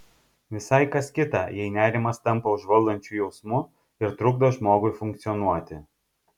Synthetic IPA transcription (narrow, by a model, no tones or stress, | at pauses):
ʋʲɪsɐɪkɐskʲɪt̪ɑjɛɪnʲæːɾʲɪmɐst̪ɐmpɐʊʒʋɐlˠd̪ɐnʲt͡ʃʲujɛʊsmʊ | ɪɾt̪ɾʊɡd̪oːʒmoːɡʊɪfʊŋʲkt̪sʲɪjɔnuɔt̪ʲɪ